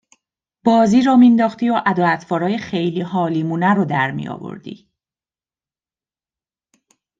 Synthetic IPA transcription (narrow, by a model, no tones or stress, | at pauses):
b̥ɒːziːɾɒːmind̪ɒːxt̪iːoʔæd̪ɒːlæt̪ʰvɒːɾɒːjexe̞jliːɦɒːliːmuːnæɾod̪æɾmḭjɒ̰vo̰ɾd̪ḭ